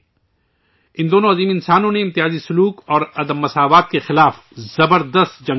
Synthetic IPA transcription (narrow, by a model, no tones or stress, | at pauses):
ɪ̃nd̪oːnõɐziːmɪ̃nsaːnõneɪ̃mt̪ɪɦaːzisʊluːkɔːɾɐd̪əmːɐsaːʋaːt̪̚kexɪlaːf | zɐbəɾd̪əst̪d͡ʒɐ̃ŋ